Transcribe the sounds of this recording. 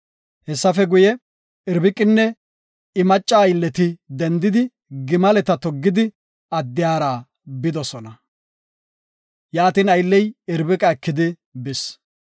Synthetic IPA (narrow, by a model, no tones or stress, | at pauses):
hɛsːɐfɛɡʊjɛ | ɪɾbɪkʼːɪnːɛ | ɪmɐt͡ʃʼːaːjlːɛt̪ɪd̪ɛnd̪ɪd̪ɪ | ɡɪmɐlɛt̪ɐt̪ɔɡːɪd̪ɪ | ɐd̪ːɪjaːɾaː | bɪd̪ɔsɔnɐ | jaːt̪ɪnɐjlːɛjɪɾbɪkʼɐɛkːɪd̪ɪ | bɪs